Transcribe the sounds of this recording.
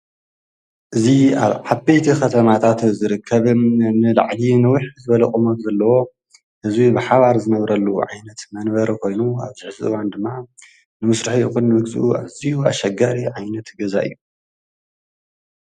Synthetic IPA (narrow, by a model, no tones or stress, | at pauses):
ʔɨziaβʕaβbejt̪ʰikʰɐt̪ʰɐmat̪ʰat̪zɨɾɨkʰːɐβɨnɨla̰ʕlinɐwiħzɨβɐlɐχʼɨmozɐlːɐwo̞ | hɨzwibɨħaβaɾzɨnɐβɾɐlːuʕa̰jnɐt̪mɐnbɐɾkʰo̞jnua̰βzɨħzɨ̰ɨwand̪ɨmːa | nɨmɨsɾɨħiɨxunːɨmɨɡzɨ̰ʔuʔa̰βzijua̰ʃɐɡaɾiʕajnɐt̪ɡɐza̰ʔɨ̰jːu